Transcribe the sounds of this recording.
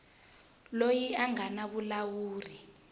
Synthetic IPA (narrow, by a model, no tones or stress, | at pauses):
lojiaŋanaɓulawuːri